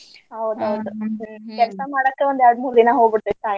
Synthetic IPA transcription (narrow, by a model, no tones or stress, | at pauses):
ɦɐwd̪ɐwd̪ukɛlsamaːɽɐkːeʋond̪jaɖ̪mulːinaɦoːɡbɨɽt̪et̪ãj